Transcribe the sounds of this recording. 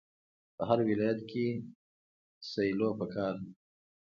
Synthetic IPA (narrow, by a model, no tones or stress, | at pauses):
pəɦaɾwɪlɑjat̪̚ke | sajlopəkʰɑːɾ